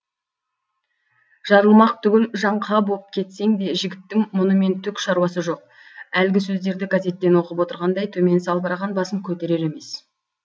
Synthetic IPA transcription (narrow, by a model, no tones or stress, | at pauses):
ʒ̥ɑɾəlˠmɑq̚t̪ʰʏɡʲɪlʒɑɴqʰɑbo̞əp̚kʲʰe̞t̪se̞ŋd̪e̞ʒɪɡʲɪt̪ːɪŋmʊnəme̞nt̪ʰʏkʃɑɾwɑsəʒo̞q̚ | ælɡʲɪsɵzd̪e̞ɾd̪ɪɡaze̞t̪ːe̞nwo̞qəpwo̞t̪əɾʁɑnd̪ɑjt̪ʰɵme̞nsɑlˠbɑɾɑʁɑnbɑsəmkʲʰɵt̪e̞ɾe̞ɾe̞me̞s